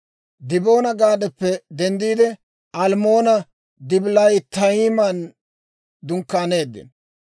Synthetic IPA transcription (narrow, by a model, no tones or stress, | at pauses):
d̪ɪbo̞ːnɐɡaːd̪ɛpːɛd̪ɛnd̪iːd̪ɛ | ʔɐlmo̞ːnɐ | d̪ɪblɐjt̪ɐiːmɐn | d̪ʊŋkːaːne̞ːd̪ːɪ̰n